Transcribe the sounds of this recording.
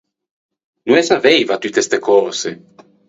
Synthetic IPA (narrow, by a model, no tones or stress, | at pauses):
nuɛsavejvat̪yt̪est̪ekɔɾse